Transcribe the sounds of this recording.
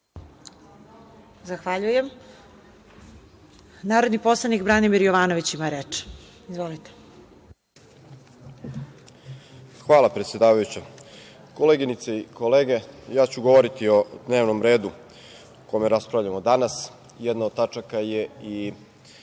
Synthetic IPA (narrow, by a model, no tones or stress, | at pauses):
zaxʋaʎujem | naːɾod̪nipo̞slˠanikbɾanimiɾjoʋaːnoʋit͡ɕimaɾeːt͡ʃ | izʋo̞lit̪e̥ | xʋaːlˠapɾet̪sʲje̞d̪aːʋajut͡ɕa | ko̞leɡinit̪seiko̞leːɡe̞jaːt͡ɕuɡoʋoɾit̪io̞d̪ne̞ːʋno̞mɾe̞ːd̪u | komeɾaspɾavʎamo̞d̪anas | jɛd̪naod̪̚t̪at͡ʃakaje̞i